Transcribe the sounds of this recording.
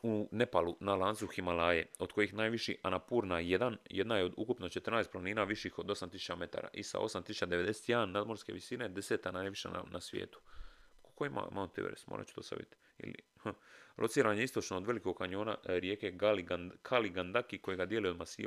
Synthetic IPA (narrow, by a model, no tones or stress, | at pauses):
une̞palunalˠansuximalaːjeo̞d̪̥ko̞jixnaːjʋiʃiʔanapuːɾnajed̪anjed̪najeo̞d̪ukupnot͡ʃe̞t̪r̩naest̪planiːnaːʋiʃixo̞d̪o̞samt̪isu̥t͡ɕame̞t̪a̰ːɾa̰ʔisa̰o̞̰samt̪isu̥t͡ʃad̪eed̪e̞se̥t̪janːad̪mo̞ɾske̞ʋisine̞d̪eseːt̪anaːjʋiʃa̰a̰nasʋjḛːt̪u̥kkoima̰ma̰ːot̪eʋeɾḛsmo̰ːɾa̰t͡ʃu̥d̪ost̪a̰ʋḭt̪ | ḭlḭhəlʔo̞t̪siːɾaːɲe̞ist̪o̞t͡ʃnoːd̪ʋe̞liko̞ɡkaɲo̞ːnaɾjeːkeɡaliɡkʰaliɡand̪akiko̞jeɡad̪jeliomasiː